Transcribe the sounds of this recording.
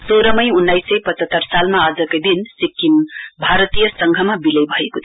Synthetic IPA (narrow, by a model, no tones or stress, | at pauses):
soɾʌmʌjunːajsʌjpʌt͡sʌt̪ːʌrsalmaad͡zʌkajd̪insikːimbʱaɾʌt̪ijʌsʌŋɡʱʌmabilʌjbʱʌekot̪ʰ